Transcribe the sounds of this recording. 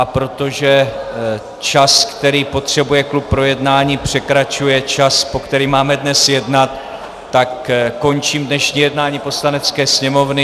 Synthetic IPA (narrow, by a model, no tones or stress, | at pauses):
ʔapɾo̞t̪o̞ʒɛ | t͡ʃaskt̪ɛɾiːpo̞t̪r̝̥ɛbujɛklup̚ːɾo̞jɛdnaːɲiːpr̝̥ɛkɾat͡ʃujɛt͡ʃaspo̞kt̪ɛɾiːmaːmɛdnɛsjɛdnat̪ː | akːo̞nt͡ʃiːmdnɛʃɲiːjɛdnaːɲiːpo̞slanɛt͡skɛːsɲɛmo̞vnɪ